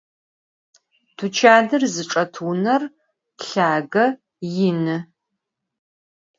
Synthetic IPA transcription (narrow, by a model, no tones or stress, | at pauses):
tʰut͡ʃʰaːdɨrzɨʈ͡ʂʼɐtʰunɐr | ɬaːɡɐ | jɪnɨ